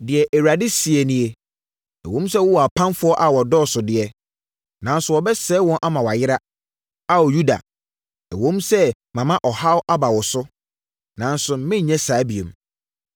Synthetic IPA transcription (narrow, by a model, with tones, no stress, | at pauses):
dɪ˨ɛ˨ʔɛ˨wa˨dɪ˦si˨e˨nĩ˨e˨ | ɛ̰˨wõ˦msɛ˦wʊ˦wɔ˨a˨pʰã˦nfʊ˦ɔ˦ʔa˨wɔ˨dɔː˦˨sʊ˨dɪ˨ɛ˨ | nã˨n˦sʊ˨wɔ˨bɛ˦sɛ˦wɔ̃˦nʔa˦mã˨wa˨jɪ˦ɾa˦ | a˦wɔ˨ju˦da̰˨ | ɛ˨wõ˦msɛ˦ | mã˨mã˦ʔɔ˨ha˦wʔa˦ba˨wɔ˨sʊ˦ | nã˨n˦sʊ˨˦mɪ̃˦˨ɲɛ̃˦sa˨˦bi˨ḛ˨m